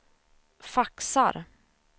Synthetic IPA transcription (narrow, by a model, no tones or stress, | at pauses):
faksa̰ɾ